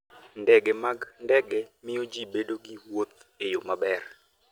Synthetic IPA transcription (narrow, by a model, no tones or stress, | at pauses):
ndɛɡɛmaɡndɛɡɛmɪjod͡ʒibedoɡiwwot̪̚ejomabɛr